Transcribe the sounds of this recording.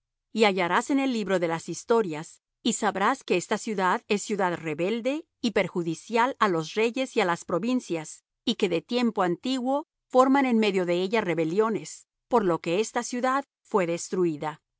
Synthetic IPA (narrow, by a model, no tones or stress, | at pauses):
iaʝaɾase̞ne̞lːiβɾo̞ðe̞lasist̪o̞ɾjas | isaβɾaske̞est̪asjuðaðe̞sːjuðaðre̞βe̞ld̪e̞ | ipe̞ɾxuðisjalalo̞sre̞ʝe̞sialaspɾo̞βinsjas | ike̞ðe̞t̪je̞mpo̞ant̪iɣwo̞ | fo̞ɾmane̞nme̞ðjo̞ðe̞eʝare̞βe̞ljo̞ne̞s | po̞ɾlo̞ke̞est̪asjuðað | fwe̞ðe̞st̪ɾuiða